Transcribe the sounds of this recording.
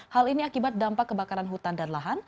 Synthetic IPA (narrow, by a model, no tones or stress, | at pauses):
haliniakibat̪̚dampakːəbakaɾanɦut̪andanlaɦan